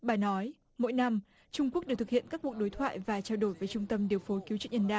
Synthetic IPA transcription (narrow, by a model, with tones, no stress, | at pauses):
ɓaː˨˩nɔ˨˦j | mo̰˧˥jna˧m | t͡ɕʊ˧ŋ͡mku˦˥ək̚ɗɨ˨˩t̪ʰɨ˨˩hḭ˧˨ənkaː˦˥k̚ku˨˩ək̚ɗo˨˦jt̪ʰwa̰ː˧˨jvaː˨˩t͡ɕaː˧wɗo˧˩jvəː˨˦t͡ɕʊ˧ŋ͡mt̪ə˧mɗi˨˩əwfo˨˦jki˨˦wt͡ɕɨ̰˦˧˥ɲə˧nɗa̰ː˧˩